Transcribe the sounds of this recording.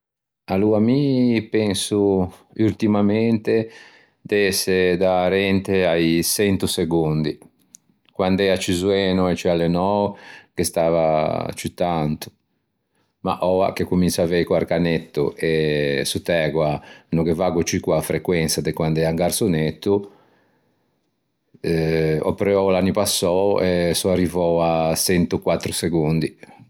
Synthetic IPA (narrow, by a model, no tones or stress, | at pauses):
aluamipɛnsu | ylt̪imamɛnt̪e | d̪ɛsːed̪aɾɛnt̪eajsɛnt̪useɡund̪i | kwand̪ɛat͡ʃizuɛːnuɛt͡ʃialenɔkest̪aːva̰t͡ʃut̪ant̪u̥ | ma̰ʔɔa̰k̟ekːumint͡ʃavɛkuaɾkanɛt̪ːṵʔɛsut̪ɛːɡwanɔkɛvaːɡut͡ʃikwafɾɛkwɛnsad̪ɛkwand̪ɛːaŋɡaɾsonet̪ːu | ɔ̰pɾɛɔlanːipasːɔɛsuarːivɔasɛnt̪ukwat̪ːɾuseɣund̪i